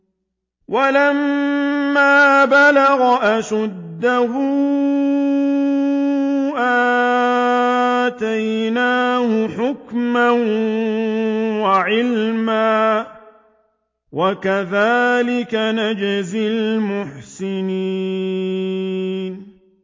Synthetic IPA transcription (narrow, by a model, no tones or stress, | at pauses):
walamː | aːbalaɣaʔasʊd̪ːahuː | ʔa | t̪ajnaːhʊħʊkman | waʕɪlmaː | wakaðaːlɪkanad͡ʒazɪlmʊħsɪni | n